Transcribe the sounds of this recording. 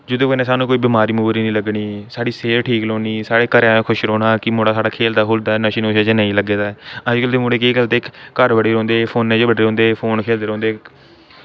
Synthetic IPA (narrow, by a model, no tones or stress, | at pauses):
d͡ʒʊd̪õːkonẽːsaːnũːkoːiːbɪmaːɾiːmʊːbɾiːnĩːləɡɳiːsaːɽiːseːɾʈʰiːklõːniːsaːɽeːkəɾaːkʰʊʃɾoːɽaːkɪmoːɽaːsaːɖaːkʰeːld̪aːɦʊːld̪aɛnəʃiːnoːʃaːd͡ʒeːnəĩːləɡeːd̪aːɛːəd͡ʒɡəlt̪eːmoːɽeːkeːɡəlt̪eːkkəɾʋəɽeːɾɔ̃ːnd̪eːpʰoːnːẽːd͡ʒeːbəɖeːõːnd̪eːpʰoːnkʰeːld̪eːɾõːnd̪eː